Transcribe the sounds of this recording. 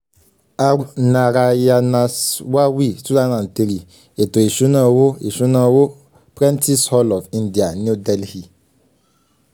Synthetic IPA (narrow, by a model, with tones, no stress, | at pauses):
a˨u˨na˨ɾa˨ja˨na˨swa˦wi˦su˦za˦na˨n̩˨te˦li˨ | e˨to˨e˨ʃu˦na˦wo˦e˨ʃu˦na˦wo˦ | pɾɛ̃˦nti˦shɔ˦lɔ˨fĩ˦ndi˨a˨n˦u˦dɛ˦˨lhi˨